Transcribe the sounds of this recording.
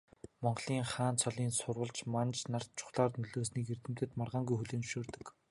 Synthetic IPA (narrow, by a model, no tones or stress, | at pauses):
mɔɴɢɮ̥iːŋχaːnt͡sʰɔɮiːnsʊrʁə̆ɮt͡ɕmant͡ɕnar̥t̪̚t͡ɕʰʊ̥χɮaːrnɵɮoːsniːkert̪ɘ̆m̥t̪ɘ̆t̪marʁaːŋɡujxuɮeːnʃoːrt̪ɵ̆k